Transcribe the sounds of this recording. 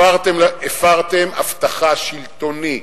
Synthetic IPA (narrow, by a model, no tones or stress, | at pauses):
aʁt̪emefaʁt̪ema̰ft̪aχaʃilt̪o̞ni